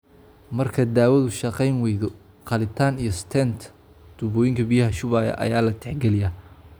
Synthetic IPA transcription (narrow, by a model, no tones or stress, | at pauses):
mɐrkʰɐd̪aːwɐðʊʃɑqɛjnwɛjðɔ | qɑlɪt̪ʰaːnijɞst̪ʰɛnt̪ʰ | d̪̥ʊβɔːjɪŋkʰɐbijɐɦɐʃʊβaːjɐ̰ʔɐ̰jaːlɐt̪ʰɛħɡɛlɪjɐ